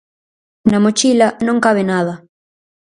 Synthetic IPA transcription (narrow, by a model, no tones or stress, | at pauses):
namot͡ʃilanõŋkaβ̞enaðɐ